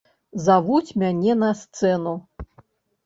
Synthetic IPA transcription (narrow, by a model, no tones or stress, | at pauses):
zavut͡sʲmʲanʲɛnɐst̪sɛnu